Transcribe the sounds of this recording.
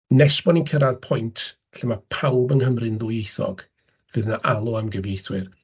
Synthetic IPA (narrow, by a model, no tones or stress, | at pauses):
nɛsbɔninkʰəɾaðpʰɔjntʰ | ɬɛmapʰawbənhəmrɨnðʊjejθɔ̰ɡ̥ | vɨðnaʔalˠɔamɡəvjejθwɨr